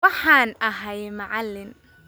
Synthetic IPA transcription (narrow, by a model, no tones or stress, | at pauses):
wɑħaːnʔɐɦɐjmɐʕalːɪn